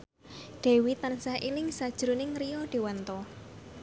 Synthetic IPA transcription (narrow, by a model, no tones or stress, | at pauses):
ɖ̥e̤wit̪ansahʔilɪŋsad̥ʒ̥ɾunɪŋriɔɖ̥e̤want̪ɔ